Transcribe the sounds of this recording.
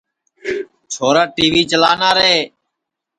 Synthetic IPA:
t͡ʃʰoːɾaːʈiːʋiːt͡ʃəlaːnaːɾeː

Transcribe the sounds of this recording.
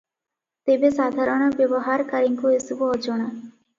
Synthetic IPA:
t̪ebesad̪ʱaɾɔɽ̃ɔbjɔbɔɦaɾkaɾiŋkuesubɔɔd͡ʒɔɽ̃a

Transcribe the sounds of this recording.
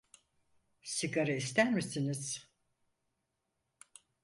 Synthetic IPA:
siɡaɾaist̪æɾmisiniz̥

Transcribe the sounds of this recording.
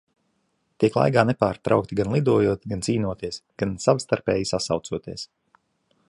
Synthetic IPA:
t̪iɛklˠa̰jɡaːnɛpaːɾt̪ɾa̰wk̚t̪iɡanlˠid̪uɔjuɔt̪ɡant̪siːnuɔt̪iɛəsɡ̥ansavst̪aɾpɛːjisasawt̪suɔt̪iɛs

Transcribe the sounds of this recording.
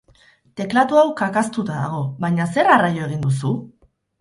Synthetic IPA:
t̪e̞klat̪uawkakast̪ut̪aða̰ɣ̞o̞βajɲase̞ɾarajo̞e̞ɣ̞ind̪us̬u

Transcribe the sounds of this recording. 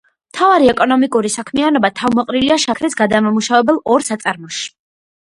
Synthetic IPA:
mt̪ʰavaɾiɛkʼɔnɔmikʼuɾisakʰmianɔbat̪ʰavmɔqʼɾiliaʃakʰɾɛsɡad̪amamuʃavɛbɛlˠɔɾsat̪sʼaɾmɔʃi̥

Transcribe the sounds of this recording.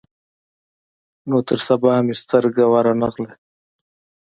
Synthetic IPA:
not̪əɾsabahamist̪əɾɡawaɾanaɣle

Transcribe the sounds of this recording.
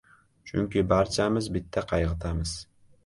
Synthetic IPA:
t͡ʃʰʊ̰ŋkʲʰɪbaɾt͡ʃʰamɪzbɪt̪ʰːaqʰɑjʁɨt̪ʰamɪz̥

